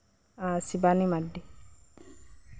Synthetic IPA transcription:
asibanimaɖːi

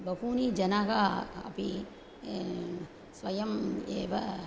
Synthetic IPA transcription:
bɐkuːnid͡ʒɐnakaɐ̰pi | sʋɐjɐmeːʋɐ

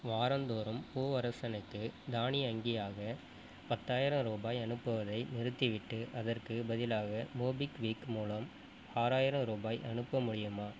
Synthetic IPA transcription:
ʋaːɾɐnd̪oːɾɯmpoːʋɐɾɐsɐnɐɪkːɯd̪aːniɐŋɡɪjaːɣɐ | pɐt̪ːaːjɪɾɐ̃mɾuːbaːjɐnɯpːɯʋɐðɐɪnɪɾɯt̪ːiʋɪʈːɯʔɐðɐrkɯbɐðɪlaːɣɐmoːbɪkʋiːkmuːlɐm | aːɾaːjɪɾɐ̃mɾuːbaːjʔɐnɯpːɐmʊɽɪjɯmaː

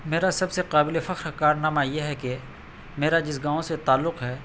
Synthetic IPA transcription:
meːɾasɐbseqaːbɪlefɐqɾɐkaːɾnaːmajeɦɛke | meːɾad͡ʒɪs̬ɡãːõset̪aːlːʊqɦɛː

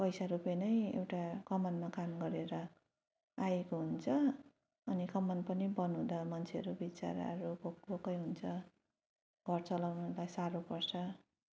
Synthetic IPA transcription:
pʌjsaɾupenʌjḛwʈakʌmʌnmakamɡʌɾeɾʌ | ajekoɦunt͡sʰʌː | nikʌmʌnpʌnibʌnũd̪amʌnt͡sʰeʌɾubit͡sa̰ɾa̰ʌɾukok̚ʈbokʌjɦunt͡sʰʌ | ɡ̥ʱʌrt͡sʌlawnulajsaɾopʌrt͡sʰʌ

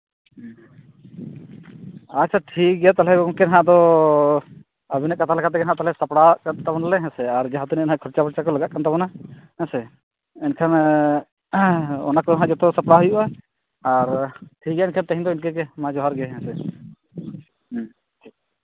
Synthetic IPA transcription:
at͡ʃʰaʈʰik̚ɡjat̪alɛɔŋkɛnɦãd̪ɔ | əbinaʔkat̪ʰalakat̪ɛɡɛɦãʔt̪alɛsapɽakant̪abɔnalɛɦɛ̃sɛaɾd͡ʒaɦãt̪uninɦãkʰɔɾt͡ʃapɔɾt͡ʃakɔləɡaʔkant̪abɔnaɦɛ̃sɛ | ɛnkʰan | ɔ̰nakɔɦãd͡ʒɔt̪ɔsapɽaɦujuʔaː | ɾʈʰik̚ɡɛaɛnkʰant̪aɦĩd̪ɔinkɛkɛmãd͡ʒɔɦaɾɡɛɦɛ̃sɛ

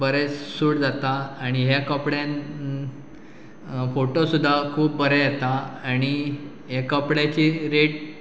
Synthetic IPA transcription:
bəɾɛsuːɽd͡zat̪aːɽ̃iɦjakəpɽjãn | foʈosud̪ʱːakʰuːpːəɾɛjet̪aaɽ̃i | ɦekəpɽjat͡ɕiːɾeʈ

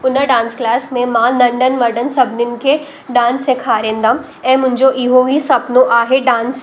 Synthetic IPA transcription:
ʊnəɖãːnsklaːsmẽmãːlɐ̃ɳɖənmɐɖənsɐbʱnɪnɪ̆ke | ɖãːnsekʰaːɾẽːnd̪ãː | ɛ̃ːmʊ̃ɦɪ̃ɲd͡ʑoʔɪɦoɦisɐpnoʔaːɦeɖãːns

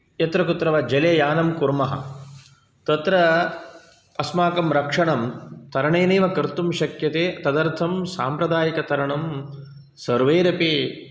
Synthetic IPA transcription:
jɐt̪ɾɐkut̪ɾɐʋɐd͡ʒɐlejaːnɐmkuɾmɐɦɐ̰ | t̪ɐt̪ɾɐ | ɐsmaːkɐmɾɐkʂɐɳɐmt̪ɐɾɐɳeːneːʋɐkɐɾt̪umʃɐkjɐt̪eːɐt̪ɐd̪ɐɾt̪ʰɐmsaːmpɾɐd̪aːjɐkɐt̪ɐɾɐɳɐm | sɐɾʋeːɾɐpi

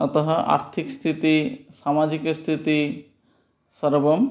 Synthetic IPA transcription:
ʌt̪ɔɦɔʔa̰ɾt̪ʰikst̪ʰit̪isamad͡ʑikst̪ʰit̪i | səɾbɔm

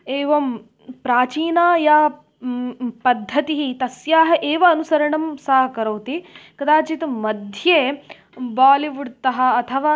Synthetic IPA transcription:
eːʋɐm | pɾaːt͡ʃiːnaːjaː | pɐd̪ʱːɐt̪iɦit̪ɐsjaːɦɐʔeːʋɐːnusɐɾɐɳɐmsaːɦɐkɐɾɐwt̪ikɐd̪aːt͡ʃit̪mɐd̪ʱjeː | baːliʋuɽt̪ɐɦɐ̆ɐt̪ʰɐʋaː

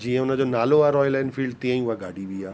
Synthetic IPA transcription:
d͡ʒiɦãʊnãd͡ʒonaːloaːɾɔːjlaːɪnɖfʰiːɭɖt̪ĩãĩʊaɡaːɽiʋʱiaː

